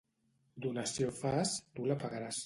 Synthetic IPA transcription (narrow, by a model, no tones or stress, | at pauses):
d̪unasjofast̪ulapaɣaɾas